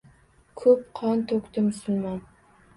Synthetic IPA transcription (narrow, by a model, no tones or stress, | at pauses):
kʲʰɵp̚qʰɑnt̪ʰokʲt̪ʰɪmʊsʊlˠmɑn